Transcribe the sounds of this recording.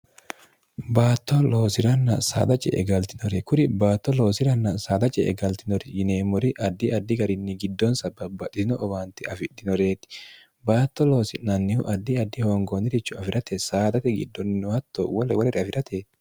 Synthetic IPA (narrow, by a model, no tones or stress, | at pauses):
baːt̪ːɔloːsɪɾɐnːɐsa̰ːd̪ɐt͡ʃʼɛ̰ʔɛ̰ɡɐlt̪ɪnɔɾɛkʊɾɪbaːt̪ːɔlo̞ːsɪɾɐnːɐsa̰ːd̪ɐt͡ʃʼɛ̰ʔɛ̰ɡɐlt̪ɪnɔɾɪjɪneːmːɔɾɪʔɐd̪ːɪɐd̪ːɪɡɐɾɪnːɪɡɪd̪ːɔnsɐbɐbːɐt̪ʼːɪsɪnɔʔɔwaːnt̪ɪɐfɪᶑ̪ɪnɔɾeːt̪ɪ̥ | baːt̪ːɔlo̞ːsɪnɐnːɪhʊ̰ʔɐd̪ːɪɐd̪ːɪhoːŋɡoːnɪɾɪt͡ʃːʊɐfɪɾɐt̪ɛsaːd̪ɐt̪ɛɡɪ̰d̪ːɔnɪnʊhɐt̪ːowɔlɛwɐɾɛɾɪɐfɪɾʔɐt̪ʰeː